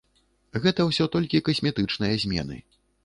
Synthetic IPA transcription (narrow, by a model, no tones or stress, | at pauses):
ɣɛt̪ɐwsʲɔt̪ɔlʲkʲikɐsʲmʲɛt̪ɨt͡ʂnɨjɐzʲmʲɛ̰nɨ̰